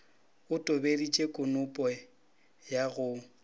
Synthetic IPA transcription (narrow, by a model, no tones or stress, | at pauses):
ʊtʼʊbelit͡ʃʼekʼʊnʊpʼɔ | jaɣʊ